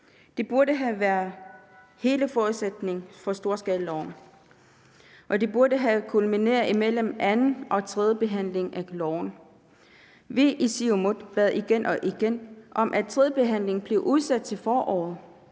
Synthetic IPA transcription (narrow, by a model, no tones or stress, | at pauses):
d̥e̝b̥uɐɾəɦæʋæɐðˠ | he̝ːləfɒːuðˠsed̥ne̝ŋfɒ̽sd̥o̝ːɐsɡ̥ɛːllɒʊ̰n | ʔɒ̽d̥e̝b̥uɐdɾəɦækʰulmine̝̰ːɐimel̰əmænn̩ɒ̽t͡sʰʁɛð̞ˠəb̥e̝ɦæn̰le̝ŋʔælɒʊn | ʋeʔisiomod̥b̥ɛð̩ˠiɡ̥enʔɒ̽ʔiɡ̥enʔɒ̽mʔæt͡sʰʁɛðˠəb̥e̝ɦæn̰le̝ŋn̩b̥le̝ʊʔuð̞ˠsæd̥̚t͡sʰe̝lfɒːʔɒ̰ːð̩ˠ